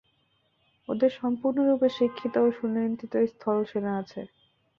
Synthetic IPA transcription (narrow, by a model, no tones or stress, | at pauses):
od̪eɾʃɔmpuɾnoɾupeʃikʰːit̪ooʃunːint̪it̪oest̪ʰɔlʃeneat͡ɕʰḛ